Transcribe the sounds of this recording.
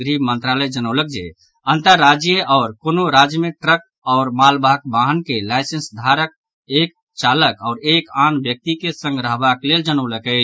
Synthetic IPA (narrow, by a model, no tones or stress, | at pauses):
əɾibmənt̪ɾaləjd͡ʒənəʊlək̚d͡ʒḛ | ənt̪əɾːad͡ʒjəʔɔʊɾkonoɾad͡ʒjəmeʈɾək̚ | ɔʊɾmalbʱakbaɦənkelajsensd̪ʱaɾək̚ | ek̚ | t͡ʃaləkɔʊɾekanbjək̚t̪ikesə̃ŋɡɾəɦbakleld͡ʒənəwləkət͡ʃʰ